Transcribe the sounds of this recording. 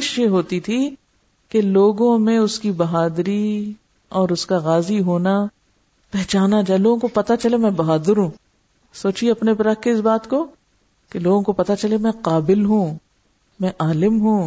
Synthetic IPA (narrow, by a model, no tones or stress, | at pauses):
ʃeɦoːt̪it̪ʰi | keloːɡõmẽʊskibɐɦaːd̪ɾi | ɔːɾʊskaɣaːziɦoːna | pɛɦt͡ʃaːnad͡ʒaːeloːɡõkopɐt̪at͡ʃɐlemɛ̃bɐɦaːd̪əɾɦũː | soːt͡ʃieɐpnepɐɾɐkʰkeɪsbaːt̪ko | keloːɡõkopɐt̪at͡ʃɐlemɛ̃qaːbɪlɦũː | mɛ̃ʔaːlɪmɦũː